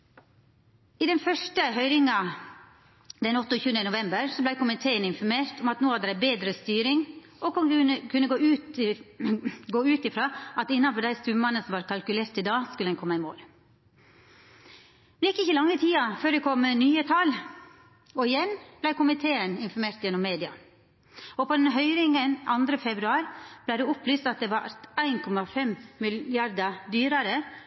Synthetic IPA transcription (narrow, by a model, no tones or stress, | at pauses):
ɪd̪ɛnfœʂʈəɦœʏɾɪŋɑ | d̪ɛnɔt̪ːɔçʉːənənʊʋɛmbəɾsɔblæɪkʊmɪt̪ʰeːənɪnfɔɾmeːɾt̪ɔmɑt̪noːhɑd̪əɾæɪbeːd̪ɾəst̪yːɾɪŋ | ʔɔkɔkʰʉnːəɡoːʉːt̪ | ɡoːʉːt̪ɪfɾɑːʔɑt̪ɪnːɑnfɔɖ̪æɪst̪ʉmmɑnəsɔmʋɑːɾkʰɑlkʉleːɾt̪ɪd̪ɑːskʉlɛnkʰɔmːəɑɪmo̰ːl | mɛnjɛkːəɪçəlɑŋːət̪ʰiːɑføːɾd̪ɛkʰɔmːnyːət̪ʰɑl | ɔɪjɛnːb̥læɪkʊmɪt̪ʰeːənɪnfɔɾmeːɾt̪jɛnːɔmːeːd̪ɪɑ | ɔpʰɔd̪ɛnɦœʏɾɪŋənɑnd̪ɾəfɛbɾʉɑːɾb̥̪æɪd̪ʉɔplyːst̪ɑt̪̚d̪ɛʋɑɾæɪnkʰɔmɑfɛmmɪlɪɑɾd̪ɑd̪yːɾɑɾə